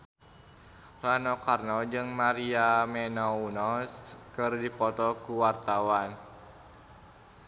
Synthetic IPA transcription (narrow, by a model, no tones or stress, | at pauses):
ranɔkarnɔd͡ʒɨŋmaɾiamɛnɔunɔskɨrdipɔt̪ɔkuwart̪awan